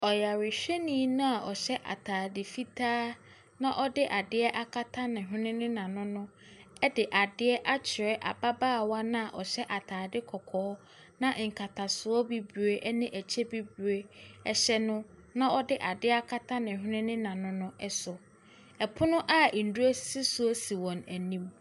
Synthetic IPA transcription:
ɔ˨ja˨ɾɪ˨ɕᶣɛ˦nĩ˦nʊ̃˦a˨ʔɔ˨ɕɛ˦ʔa̰˨tʰaː˨dɪ˨fi˦tʰaː˦ | nã˦ʔɔ˦dɪ˦ʔa˨dɪ˦ɛ˦ʔa˦kʰa˦tʰa˦nɪ̃˨ɦɪ˦nɪ̃˦nɪ̃˦nã˨nʊ̃˦nʊ̃˦ | ɛ˦dɪ˨ʔa˨dɪ˦ɛ˦ʔa˦t͡ɕʰɪ˨ɾɛ˦ʔa̰˨ba˦baː˦˨wa˦nã˦a˨ʔɔ˨ɕɛ˦ʔa˨tʰaː˨dɪ˦kʰɔ˨kʰɔː˨˦ | nã˦˨ʔŋ̩˨kʰa˨tʰa˨sʊ˨ɔ˦bi˦bu˨e˦ʔɛ˦nɪ̃˦ʔæ˨t͡ɕʰɛ˦bi˦bu˨e˦ɛ˨ɕɛ˦nʊ̃˦ | nã˦ɔ˦dɪ˦ʔa˨dɪ˦a˦kʰa˦tʰa˦nɪ̃˨ɦᶣɪ˦nɪ̃˦nɪ̃˦nã˨nʊ̃˦nʊ̃˦ɛ˦sʊ˨ | ɛ˨pʰʊ˦nʊ̃˦ʔa˦˨n̩˨du˦æ˦si˦sʊ˦o˦si˨wɔ̃˨næ˨nĩ˦m

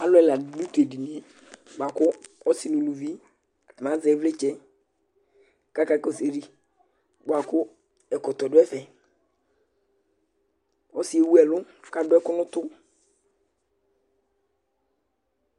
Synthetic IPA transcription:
a˨˦lʊ˦ɛ˨la˨du˦t̪u˨ɛ˨di˨ni˨˦e˨ | ɡ͡ba˨kʊ˦ɔ˦sɪ˨nũ˨nu˨vi˦˨ | mã˨˦zɛ˨˦vlɪ˦t͡ʃɛ˦ | ka˦ka˨kɔ˨se˨ɾi˦ | ɡ͡ba˨kʊ˦ | ɛ˨kʊ˨tɔ˨dʊ˦ɛ˦fɛ˨ | ɔ˦sɪ˨˦e˨wu˦ɛ˨lʊ˦ka˨dʊ˦ɛ˦kʊ˦nʊ˦t̪ʊ˦

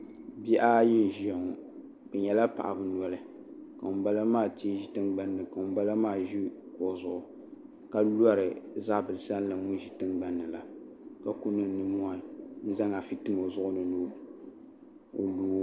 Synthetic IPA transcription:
bi˦ʔa˦ji˦n˨ʒi˨˦a˨ŋ˨ | bɛ˨ɲɛ˨la˦pa̰˨ʔa˨bɨ˦n˨ɔ˨˦lɨ˦ | ka˨ba˦la˦maː˦˨ti˦ʒi˨tɨ˦ŋɡ͡ba˦nːɨ˨ka˨˦ba˦la˦maː˦˨ʒi˦ko˨zʊ˦ʔʊ˨ | ka˦lu˦a˦ɾɨ˨za˦˨bɨ˨lɨ˨sa˦n˦la˨ŋʊ˦n˦ʒi˨tɨ˦ŋɡ͡ba˦nːɨ˨la˨ | ka˨ku˦nɨ˦nɨ˦mu˦a˨n̩˦za˦ŋa˨fi˦tɨ˦mo˨zʊ˦ʔʊ˦nɨ˨nu˦ | o̰˨luː˦

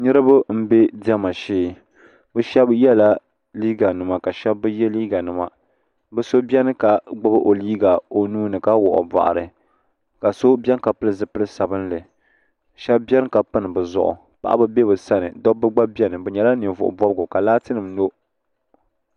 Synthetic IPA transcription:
nɨ˦ɾɨ˦bɨ˦m̩˦be˦di˦ɛ˦ma˨ʃeː˦ | bɨ˦ʃɛ˦bjɛ˦la˦ | liː˦ɡa˨nɨ˨ma˨ka˨ʃɛ˦bːɨ˦jɛ˦liː˦ɡa˨nɨ˨ma̰˨ | bɨ˦so˦bʲɛ˦nɨ˦ka˨ɡ͡bʊ˦bɨ˦ʔo˨liː˦ɡa˨o˨nuː˦nɨ˨ka˦wʊ̰˨ʔʊ̰˨ba̰˨ʔa̰˨ɾɨ˨ | ka˨so˦bɛ˦n˦ka˨pɨ˦lɨ˦zɨ˦pɨ˦lɨ˦sa˨bɨ˦n˦lɨ˨ | ʃɛ˦bbɛ˦ɾɨ˦ka˨pɨ˦nɨ˨bɨ˨zʊ̰˨ʔʊ̰˨ | pa̰˦˨ʔa̰˦bɨ˦be˦bɨ˨sa˦nɨ̰˨dɔ˦bːɨ˦ɡ͡ba˦bɛ˦nɨ˨bɨ˨ɲɛ˨la˦nɨ˨vʊ̰˨ʔʊ̰˨bɔ˦bɡʊ˨ka˨laː˦tɨ˦nɨ˨mno˦

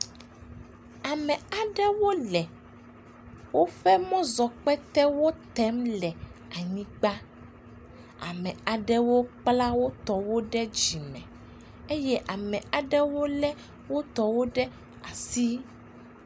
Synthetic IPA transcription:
a˨mɛ̃˨a˨ɖɛ˦wo˦lɛ˨ | wo˦ɸɛ˦mɔ̃˦zɔ˨k͡pɛ˦t̪ɛ˦wo˦t̪ɛ˦mlɛ˨a˨ɲĩ˦ɡ͡ba˦ | a̰˨mɛ̃˨a˨ɖɛ˦wo˦k͡pla˦wo˦t̪ɔ˨wo˦ɖɛ˦d͡ʑi˨mɛ̰̃˨ | e˦jɛ˦ʔa˨mɛ̃˨a˨ɖɛ˦wo˦lɛ˦ | wo˦t̪ɔ˨wo˦ɖɛ˦ | a˨si˦

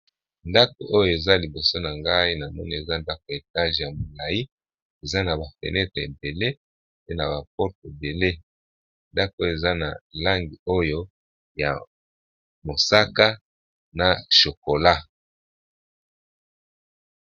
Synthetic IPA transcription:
nda˦ko˨ʔo˦jo˦˨e˨za˦li˨bo˨so˦na˨ŋɡa˦i˦na˨mɔ˦ni˦e˨za˦nda˦ko˨e˨ta˦ʒe˨ja˨mo˨la˨ji˦ | e˨za˦na˨ba˨fḛ˨nɛ˦tʁe˨ḛ˨be˨le˦ | pe˦na˨ba˨p̚ɔ˦ʁte˨be˨le˦ | nda˦koo˦je˨za˦na˨la˦ŋɡi˨o˦jo˦ | ja̰˨ | mo˨sa˦ka˦ | na˨ʃo˨ko˨la˦

